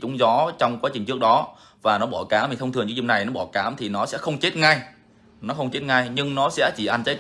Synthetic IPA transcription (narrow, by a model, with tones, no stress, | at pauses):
t͡ɕʊ˨˦ŋ͡mzɔ˨˦t͡ɕɔ˧wŋ͡mkwaː˨˦t͡ɕï˨˩ŋ̟ɨ˦˥ək̚ɗɔ˨˦ | vaː˨˩nɔ˨˦ɓɔ˧˩kaː˨˦mi˨˩t̪ʰə˧wŋ͡m̪ɨ˨˩əŋt͡ɕu˧˦zʊ˧˩na˨˩jnɔ˨˦˥ɓɔ˧˩kaː˨˦mt̪ʰi˨˩nɔ˨˦sɛ̰˧˥xə˧wŋ͡mt͡ɕe˦˥t̚ŋa˧j | nɔ˨˦xə˧wŋ͡mt͡ɕe˦˥t̚ŋa˧jɲɨ˧ŋnɔ˨˦sɛ̰˧˥t͡ɕi˧˩ʔa˧n̟t͡ɕə˨˦j